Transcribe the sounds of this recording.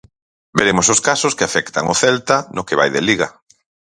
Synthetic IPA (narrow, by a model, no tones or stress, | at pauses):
beɾemʊsʊskasʊskɪafɛkt̪aŋʊθɛlt̪ɐnʊkeβa̰jðeliɣɐ